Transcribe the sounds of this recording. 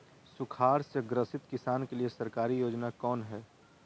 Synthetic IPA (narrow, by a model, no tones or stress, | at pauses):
sʊkʰaːɾsjəɡɾəsɪt̪kɪsaːnkeliesɐɾkaːɾijoːd͡ʒnakɔːnɦɛː